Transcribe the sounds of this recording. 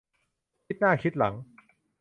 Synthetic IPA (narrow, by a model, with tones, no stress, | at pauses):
kʰi˦˥t̪̚naː˥˩kʰi˦˥t̪̚la̰˩˦ŋ